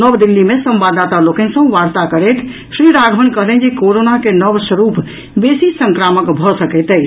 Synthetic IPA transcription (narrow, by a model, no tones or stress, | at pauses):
nəbd̪ilːimesə̃mbad̪at̪alokɛ̃nsə̃ʋaɾt̪akəɾɛt̪ʰ | sɾiɾaɡʱbənkəɦlɛnd͡ʒekoɾonakenəbsəɾup | besisəŋkɾaməkbʱɔsəkɛt̪ɛ